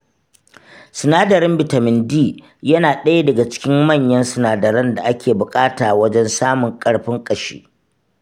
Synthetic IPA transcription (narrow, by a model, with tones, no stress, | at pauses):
sɪ˨naː˦dɐ˨ɾɪ˦mbɪ˨ta˨mɪ˨ndiː˦˨ | jɐ˦naː˨ɗɐ˦ja˦dɐ˨ɡa˨t͡ʃɪ̥˦kʲɪ˦mmɐ˦˨ɲjɐ˦nsɪ˨naː˨dɐ˨ɾɐ˦nda˨ʔa˦kʲʰeː˨bʊ˨kʼaː˦taː˨wɐ˦d͡ʒɛ˦nsaː˦mʊ˨ŋkʼɐ˦ɽɸɪ˦ŋkʼɐ˨ʃḛː˦